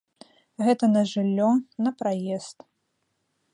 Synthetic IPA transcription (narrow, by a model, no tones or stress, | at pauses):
ɣɛt̪ɐnɐʐɨlʲːɔnɐpɾajɛst̪